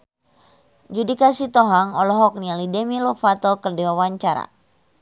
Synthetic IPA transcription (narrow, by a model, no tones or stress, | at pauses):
d͡ʒudikasit̪ɔɦaŋɔlɔɦɔk̚nialidɛmilɔfat̪ɔkərdiwawaɲt͡ʃaɾa̰